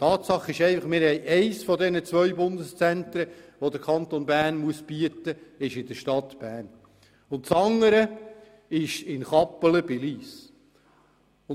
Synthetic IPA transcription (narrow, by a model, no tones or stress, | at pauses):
t̪ʰɑːt̪sɑχːɪʃɛɪfɑχmɪɾhɛjʔɛɪsfɔdɛnət͡svœɥbʊndəst͡sænt̪ɾəʋod̪əɾkʰɑntonbæːɾnmuəsb̥iətəɪʃɪdəʃtɑt̪b̥æːrn | ʊntsɑŋːəɾə | ɪʃɪnχɑpːələbɪliːs | ʊ